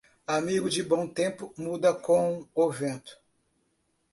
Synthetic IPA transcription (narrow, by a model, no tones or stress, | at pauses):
amiɡʊd͡ʒɪbõw̃t̪ẽpʊmud̪ɐkõw̃ovẽnt̪ʊ̥